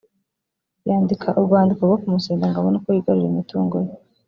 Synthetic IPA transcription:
jaːndikʰaʔuɾɡwaːndikoɡokumuseːndaŋɡaβonakojiɡaɾuɾimituːŋɡoje

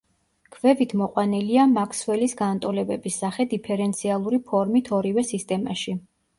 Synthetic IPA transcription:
kʰvɛvit̪ʰmɔqʼwaniliamakʰswɛlisɡant̪ʼɔlɛbɛbisːaχɛd̪ipʰɛɾɛnt̪sʰialˠuɾipʰɔɾmit̪ʰɔɾivɛsist̪ʼɛma̰ʃi

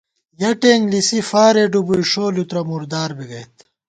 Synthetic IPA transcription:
jɐʈeːŋɡlisifaːɾeːɖubuiʂoːlut̪ɾɐmuɾd̪aːɾbiɡɐjt̪

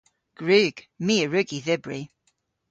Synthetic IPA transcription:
ɡ̥ɹʉːɡ̥ | miəɹʉɡiðɪbɹi

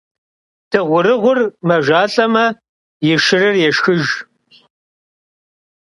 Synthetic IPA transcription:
d̥ʰɨʁʷʊɾɨʁʷʊrmɐʒaːɬʼɐmɐ | jɪʃɪrɨrjɛʃxɨʒ

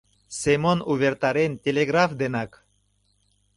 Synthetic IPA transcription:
semonuβʲert̪ɑɾenʲtʲelʲeɣrafd̪enɑk

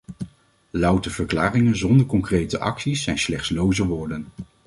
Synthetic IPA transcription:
lʌwtəv̥əɹklaːrɪŋənzɔndəɹkɔŋkrejtəʔɑ̰ksisːɛjnslɛχtslowzəʋʊːɹdən

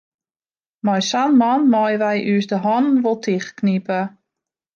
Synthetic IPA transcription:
mɔjsanmanmɔjʋɛjʔyəsdəɦɔnn̩ʋolˠtʰiχknipə

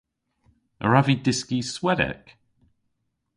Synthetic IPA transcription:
ə̰ɹavidɪskiswɛdɛ̰k

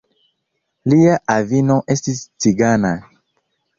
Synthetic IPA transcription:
liaʔavinoʔestist͡siɡana

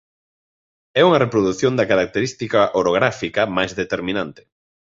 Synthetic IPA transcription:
ɛuŋɐrepɾoðuθjond̪ɐkaɾak̚t̪eɾist̪ikɐʔoɾoɣ̞ɾafikɐmajzðet̪eɾmĩnant̪ɪ̥

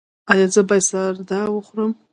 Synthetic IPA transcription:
ajad͡zɨbajsardawaχʷrɨm

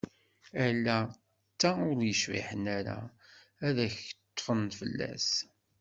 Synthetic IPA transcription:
ælːæ | t͡sːaʊɾjəʃvḭħənæɾæ̰ | æðæçət̪ˤːfənfəlːæ̰s

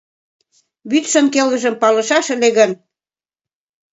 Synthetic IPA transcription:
βyt̪ʃənkelɣə̆ʒə̆mpɑlə̆ʃɑʃə̆leɣən

